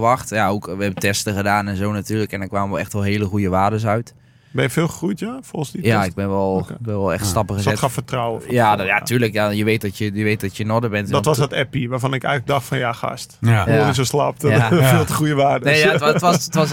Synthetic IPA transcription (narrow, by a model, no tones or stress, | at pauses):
ʋɑxtjaowkʋəɛbətɛstəɣədaːnɛnzownatyːləkɛndɔkʋaːməʋɔlˠɛxtʋɔlˠɦeːləxujəʋaːdəs̬œɥt | bɛjəfɪːlˠxəxrujtjafolˠxənsdijaɪɡ̚bɛnʋɔlˠbɛɔlˠɛ̰xtstɑpəxəzɛtxafətrɔwəjadjatyːləkjajəʋeːt̚dɔtjəjəʋet̚dɔtjənɔdəbɛntdɔʋɔsɔtɛpiʋaːrfɔnɪkɛ̰jɣələɡ̚dɑxtfɔnjaxa̰stonisoslap̚afilˠtəχujəʋaːdənejaəttʋɔətʋɔs